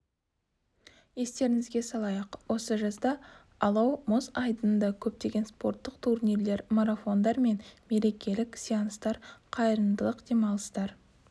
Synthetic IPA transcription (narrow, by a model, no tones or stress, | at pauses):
je̞st̪e̞ɾɪŋɪzɡʲe̞sɑlˠɑjɑqwʔo̞səʒɑsd̪ɑ | ɑlˠɑwmozɑjd̪ənd̪ɑkʲʰɵp̚t̪e̞ɡʲe̞nspo̞ɾt̪ːəqt̪ʰurnʲiɾle̞ɾmoɾafo̞nd̪ɑɾme̞nme̞ɾe̞kʲe̞lɪkʲsijɑnəst̪ɑɾqʰɑjəɾənd̪əlˠəqd̪e̞mɑlˠəst̪ɑɾ